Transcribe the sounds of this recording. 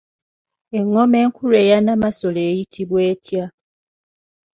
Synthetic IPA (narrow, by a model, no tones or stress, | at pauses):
eŋːomeŋkʰuɾejanamasolejitʰiβweːtʰja